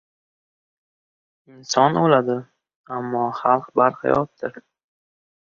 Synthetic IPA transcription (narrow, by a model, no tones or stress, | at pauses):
ɪnsɒnolad̪ɪ | amːɒχɑlˠqbaɾqʰɑ̰jɒ̰t̪ːɪɾ